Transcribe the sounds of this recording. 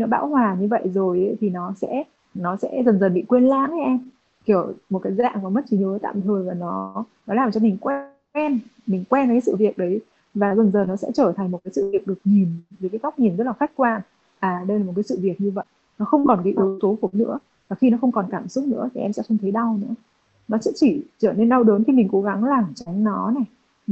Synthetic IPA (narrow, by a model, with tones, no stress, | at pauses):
i˧nɔ˨˦ɓa̰ː˧˥whwaː˨˩ɲɨ˧və̰˧˨jzo˨˩jʔə˨˦t̪ʰi˨˩nɔ˨˦sɛ̰˧˥ | nɔ˨˦sɛ̰˧˥zə˨˩nzə˨˩nɓḭ˧˨kwe˧ənla̰ː˧˥n˦ʔɛ˧m | ki˧˩əwmo˨˩t̚kaː˨˦jza̰ː˧˨ŋɔ˨˦mə˦˥t̚t͡ɕi˨˩ɲi˨əvəː˨˦jt̪a̰ː˧˨mt̪ʰəː˨˩jvaː˨˩nɔ˨˦ | nɔ˨˦laː˨˩mt͡ɕɔ˧mi˨˩ŋ̟kw | ɛ˧nmï˨˩ŋ̟kwɛ˧n˧˨˩kaː˨˦sɨ̰˧˨vi˨˩ək̚ɗə˨˦j | vaː˨˩zə˨˩nzəː˨˩nɔ˨˦sɛ̰˧˥t͡ɕəː˧˩t̪ʰa˨˩ŋ̟mo˨˩t̚kaː˨˦sɨ̰˧˨vi˨˩ək̚ɗɨ˨˩ək̚ɲi˨˩nvɨ˨˦˩kaː˨˦ɣa˦˥k͡p̚ɲi˨˩nzə˦˥t̚laː˨˩xa˦˥jk̚kːwaː˧ | ʔaː˨˩ɗə˧jlaː˨˩mo˨˩tkaː˨˦sɨ̰˧˨vi˨˩ək̚ɲɨ˧və̰˧˨j | nɔ˨˦xə˧wŋ͡mkɔ˨˩nkaː˨˦jʔɨ˨˦t̪o˨˦fo˨˦nɨ̰˧˥ə | vaː˨˩xi˧nɔ˨˦xə˧wŋ͡mkɔ˨˩nkaː˧˩msʊ˦˥k͡p̚nɨ̰˧˥ət̪ʰi˨˩ʔɛ˧msɛ̰˧˥xə˧ŋ͡mt̪ʰə˨˦jɗa˧wnɨ̰˧˥ə | nɔ˨˦sɛ̰˧˥t͡ɕi˧˩t͡ɕəː˧˩ne˧nɗa˧wɗəː˨˦nt̪ʰi˨˩mi˨˩ŋ̟ko˨˦ɣa˨˦ŋlaː˨˩mt͡ɕa˨˦ŋnɔ˨˦na˨˩j